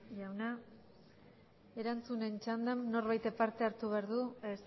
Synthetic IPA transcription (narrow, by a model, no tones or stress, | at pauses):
ʝawna | e̞ɾant͡sune̞nt͡ʃand̪amno̞ɾβajt̪epaɾt̪e̞aɾt̪uβeaɾðues